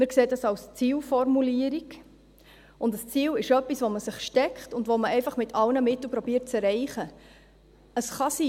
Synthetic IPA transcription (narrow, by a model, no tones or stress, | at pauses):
mɪɾkseːdɑsɑlst͡siːlfɔɾmuliəɾik | ʊndəst͡siːlɪʃœpːisʋoməsɪχʃtɛkχtʊndʋoməɛɪfɑχmɪtʰɑlnəmɪtl̩pɾɔbiːət̚t͡sɛɾɛɪχə | əsχɑsiː